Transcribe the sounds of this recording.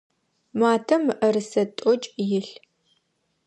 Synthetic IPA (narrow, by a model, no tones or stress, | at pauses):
maːtʰɐmɨʔɐɾɨsɐtʼɔt͡ʃʼjɪɬ